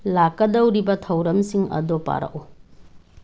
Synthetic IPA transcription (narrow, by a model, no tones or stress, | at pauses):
lakːɐdɐwɾibɐtʰɐwɾɐmsiŋɐ̰dopa̰ɾɐ̰ʔ̚u